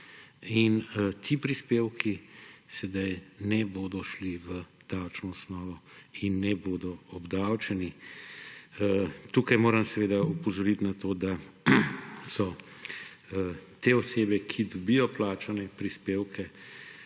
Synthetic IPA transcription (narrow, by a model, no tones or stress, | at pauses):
int̪ʰipɾispeːwkisɛd̪ajnɛboːd̪ɔʃliʋə | d̪̥awt͡ʃnɔɔsnɔːʋɔinːɛboːd̪ɔɔbd̪awt͡ʃɛni | t̪uːkajmoːɾɐmsɛʋeːd̪aupɔzɔɾit̪nat̪oːd̪a | sɔ | t̪eɔseːbɛkʰid̪ɔbijɔplaːt͡ʃanɛpɾispeːwkʰɛ